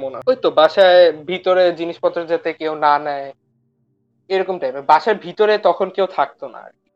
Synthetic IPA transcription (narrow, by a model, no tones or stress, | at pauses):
monaojt̪obaʃaebʱit̪oɾed͡ʑiniʃpɔt̪ːɾad͡ʑat̪ekewnanɛe | ejɾɔkomʈajbebaʃaɾbʱit̪oɾet̪ɔkʰonkewt̪ʰak̚t̪ona̰ɾki